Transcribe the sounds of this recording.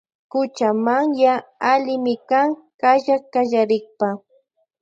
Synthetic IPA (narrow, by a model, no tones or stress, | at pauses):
kʊt͡ʃamaŋjaalɪmɪkaŋkaʒakaʒaɾɪχpa